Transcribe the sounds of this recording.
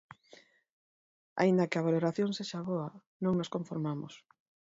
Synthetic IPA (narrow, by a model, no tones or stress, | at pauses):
a̰ind̪akɪaβ̞aloɾaθjoŋseʃaβoa | nõŋnoskoɱfoɾmamo̰s